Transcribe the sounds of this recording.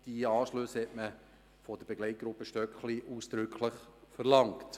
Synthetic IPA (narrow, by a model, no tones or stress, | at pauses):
d̥iɑːʃløshɛtmə | fɔd̥əɾbeɡlɛɪt̚ɡ̥ɾʊpːəʃtœkχliʔuːsd̥̪ɾʏkχləχfəɾlɑŋkt